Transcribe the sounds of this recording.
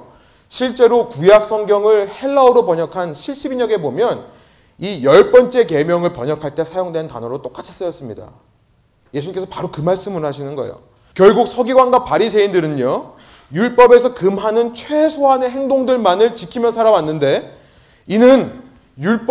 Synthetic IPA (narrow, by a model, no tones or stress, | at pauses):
ɕʰiɭt͡ɕ͈e̞ɾokujak̚s͈ʰʌŋɡjʌŋɯɭhe̞ɭːauɾopʌɲʌkʰanɕʰiɭɕ͈ibiɲʌɡe̞bomjʌn | ijʌɭp͈ʌnt͡ɕ͈e̞ke̞mjʌŋɯɭpʌɲʌkʰaɭt͈e̞sʰajoŋdwe̞nta̰nʌɾot͈ok͈at͡ɕʰi̥s͈ɯjʌs͈ɯmɲida̰ | je̞sʰunɲikesʰʌpaɾokɯmaɭs͈ɯmɯɭhaɕʰinɯnɡʌḛjo̰ | kjʌɭɡuk̚sʰʌɡiɡwanɡapaɾisʰe̞indɯɾɯɲo | juɭp͈ʌbe̞sʰʌkɯmɦanɯnt͡ɕʰwe̞sʰoɦane̞ɦe̞ŋdoŋdɯɭmanɯɭt͡ɕikʰimjʌsʰaɾawanːɯnde̞ | inɯn | juɭp͈